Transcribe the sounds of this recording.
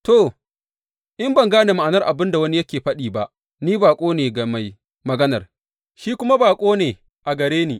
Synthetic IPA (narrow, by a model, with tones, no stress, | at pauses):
to˨ | ʔɪ˦mbɐ˨ŋɡaː˦neː˨ma˨ʔa˨nɐ˦rʔa˨bɪ˦nda˨wɐ˦ni˦jɐ˦kʲeː˨ɸɐ˦ɗiː˨ba˦ʔ | niː˦baː˨kʷʼoː˦neː˨ɡɐ˨ma˨j | mɐ˨ɡɐ˦nɐ˨r | ʃiː˦kʷʊ˦ma˦baː˨kʷʼoː˦neː˨ | ʔa˨ɡɐ˨ɾeː˦niː˨